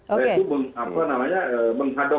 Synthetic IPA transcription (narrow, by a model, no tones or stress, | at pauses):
at̪uməŋapanamaɲaəːməŋɦadɔ